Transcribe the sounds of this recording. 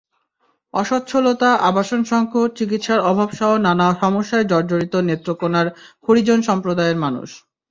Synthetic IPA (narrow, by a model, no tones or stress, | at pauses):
ɔʃot̪ːɕʰolot̪aʔabaʃonʃɔŋkʰot͡ɕikit̪ʃaɾɔbʱabʃaonanaʃɔmoʃːaed͡ʑɔɾd͡ʑoɾit̪onet̪ːɾokonaɾkʰoɾid͡ʑonʃɔmpɾod̪aeɾmanṵʃ